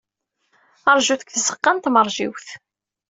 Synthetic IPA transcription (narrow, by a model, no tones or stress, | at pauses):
əɾˤʒuðəkθəsə̥qːɑnt̪məɾˤʒiwθ